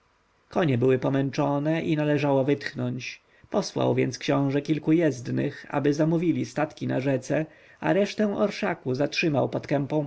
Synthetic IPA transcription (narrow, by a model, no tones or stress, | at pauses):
kɔɲɛbɘwɘpɔmɛnt͡ʂɔnɛʔinalɛʐawɔvɘt̪xnɔɲt͡ɕ | pɔswa̰wvʲjɛ̰nt̪skɕɔ̃w̃ʐɛkʲilkujɛzd̪nɘ̰xa̰bɘzamuvʲilʲist̪at̪kʲina̰ʐɛt̪sɛ | a̰ɾɛʂt̪ɛ̃w̃ʔɔɾʂakuzatʂɘmawpɔt̪kɛmpɔ̃w̃